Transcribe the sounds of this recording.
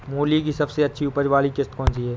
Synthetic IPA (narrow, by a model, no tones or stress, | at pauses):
moːlik̬isɐbseɐtːʃʰiʊpəɾʋaːlikɪst̪kɔːnt͡ʃiɦɛː